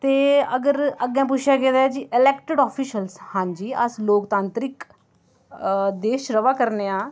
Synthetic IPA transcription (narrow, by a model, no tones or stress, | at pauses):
t̪eːəɡəɾəɡɛ̃ːp̬ʊʃʰaːkɛ̃ːd̪aːd͡ʒiʔɪlɛːkʈəɖɔːpʰiːʃəlshãːɲd͡ʒiːəsloːkt̪ãːnt̪ɾɪk | d̪eːʃɾəʋaːkəɾneːãː